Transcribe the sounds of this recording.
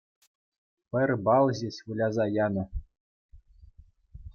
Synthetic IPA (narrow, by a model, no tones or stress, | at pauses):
pɘ̆rʲbɑlˠʑesʲβulʲɑzɑjɑnɤ̆